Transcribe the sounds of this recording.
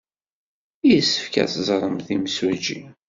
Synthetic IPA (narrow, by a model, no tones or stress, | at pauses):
ijəsːə̥fkæ̰θzˤɾˤəmθimswæd͡ʒḭ